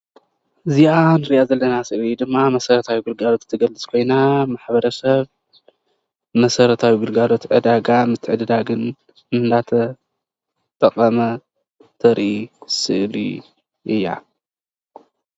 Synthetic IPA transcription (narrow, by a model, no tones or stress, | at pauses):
ɨzianɨɾiʔazɐlːɐnasɨʔid̪ɨmːamɐsɐɾɐt̪ʰawiɡɨlɡalo̞t̪t̪ʰːɨɡɐlːɨt͡sʼkʰo̞jnamaħbɐɾɐsɐβ | mɐsɐɾɐt̪ʰawiɡɨlɡalo̞t̪ʕɨd̪aɡamɨt̪ʰːɨʕɨd̪ɨd̪aɡɨn | ɨnd̪at̪ʰɐ | t̪ʼɐqʼɐmɐ | t̪ʰɐɾʔisɨʔlḭ | ʔɨjːa̰